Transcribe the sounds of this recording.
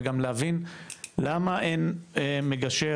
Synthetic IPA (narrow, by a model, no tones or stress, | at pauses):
ɡamleavinlamaʔenemeɡaʃe